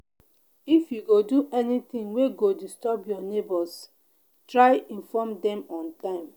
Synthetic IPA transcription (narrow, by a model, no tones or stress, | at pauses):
ifjuɡoduʔɛnit̪ɪ̃ŋweɡodistɔbjɔnebɔs | tɾaɪĩnfɔmdɛmɔ̃ntãɪ̃m